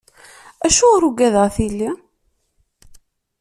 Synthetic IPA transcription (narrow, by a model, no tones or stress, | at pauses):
æʃuɾuɡæðʁθilːi